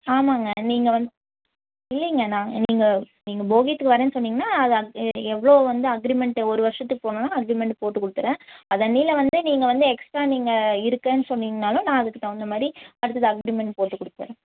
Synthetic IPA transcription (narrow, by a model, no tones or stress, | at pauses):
aːmaːŋɡɐniːŋɡɐʋɐnd̪ | ɪlːɛŋɡɐnãːniːŋɡɐ | niːŋɡɐboːɣit̪ːɯkːɯʋɐɾeːnːɯsɔnːiːŋɡɐnːaːɐðɯɐɛʋːɐɭoːʋɐnd̪ɯɐɡɾimɛɳʈɔɾɯʋɐɾʂɐt̪ːɯkːɯ̥poːnɐnːaːɐɡɾimɛɳʈpoːʈːɯkːʊɽɯt̪ːɯɾẽːɐðɐnːiːlɐʋɐnd̪ɯniːŋɡɐʋɐnd̪ɯɛksʈɾaːniːŋɡɐɪɾɯkːẽːnːɯsɔnːiːŋɡɐnaːlʊ̃nãːɐðɯkːɯt̪ːãːɛnd̪ɐmaːd̪ɾiɐɽɯt̪ːɐðɯɐɡɾimɛɳʈpoːʈːɯkːɔɽɯt̪ːɯɾẽː